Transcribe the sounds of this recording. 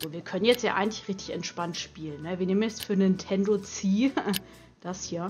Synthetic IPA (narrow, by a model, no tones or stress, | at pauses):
z̥oːviːɐkʰœnənjɛt͡stja̰ːʔaɪɡŋ̩tlɪçʁɪçtɪçɛntʃpantʃpiːlənːəviːneːmənjɛt͡sfyːɐnɪntʰɛndot͡siː | d̥ashiːɐ